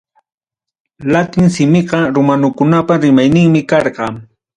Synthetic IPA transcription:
lat̪ɪŋsɪmɪɢɑɾʊmanʊkʊnapaɾɪmajnɪŋmɪkɑɾɢɑ

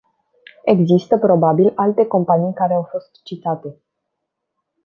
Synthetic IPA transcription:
e̞ɡzist̪əpɾo̞babilalt̪e̞ko̞mpanijkaɾe̞awfo̞st̪t͡ʃit̪at̪e̞

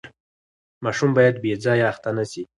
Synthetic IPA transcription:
mɑʃumbɑjad̪bed͡zɑjaaxt̪anasi

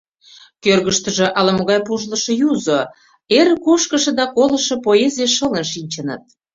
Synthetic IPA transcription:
kørɣəʃt̪əʒĕʔɑlɑmoɣɑjpuʒlə̆ʃɤ̆juzo | eɾĕkoʃkə̆ʃĕd̪ɑkolə̆ʃɤ̆poezʲieʃələnʃinʲt͡ɕənə̰t̪̚

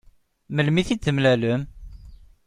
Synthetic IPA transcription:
məlmiθit͡s̪ːəmlæləm

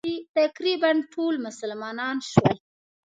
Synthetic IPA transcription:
it̪akɾibanʈʰolmʊsəlmɑnɑnʃwəl

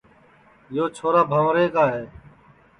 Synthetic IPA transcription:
joːt͡ʃʰoːɾaːbʱãːʋɾeːkaːɦeː

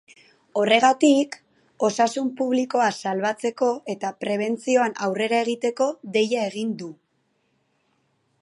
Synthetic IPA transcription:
o̞re̞ɣ̞at̪ik | o̞sasumpuβliko̞asalβat͡se̞ko̞e̞t̪apɾe̞β̞e̞nt͡sio̞anawre̞ɾaeɣit̪e̞ko̞ðe̞jae̞ɣ̞ind̪u

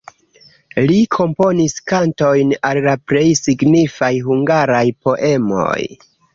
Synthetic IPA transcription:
likʰo̞mpo̞niskanto̞jnallapɾe̞jsiɡnifajɦuŋɡaɾajpo̞ʔe̞mo̞̰j

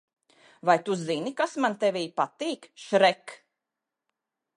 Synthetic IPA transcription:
vajt̪uzinikasmant̪ɛvʲiːpat̪iːkʃɾɛk

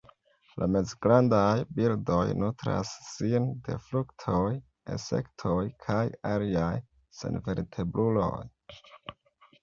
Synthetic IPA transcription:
lʔame̞zɡɾandajbildo̞jnutɾa̰sːinde̞̰fluktʰoj | ḛse̞̰ktʰojkʰajaliaj | se̞̰nve̞ɾtʰe̞bɾulo̞̰j

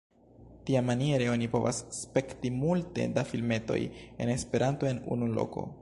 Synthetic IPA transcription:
tiamanie̞ɾeo̞nipo̞va̰sːpe̞ktimulte̞̰dafilme̞to̞̰je̞̰ne̞spe̞ɾanto̞e̞nṵnulo̞̰ko̞̰

